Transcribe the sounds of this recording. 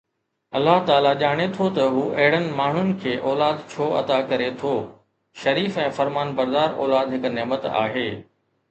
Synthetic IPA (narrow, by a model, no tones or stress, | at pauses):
ɐlːaɦt̪aːlaʄaːɽ̃et̪ʰot̪ɐɦuːʔɐɦɪɽənɪ̆maːɳ̤ʊnɪ̆kʰeːʔɔːlaːd̪t͡ɕʰoːɐ̰d̪akɐɾet̪ʰoː | ʃɐɾiːfɛ̃ːfɐɾmaːnbɐɾd̪aːɾɔ̰ːlaːd̪ɦɪkneːmət̪a̰ːɦeː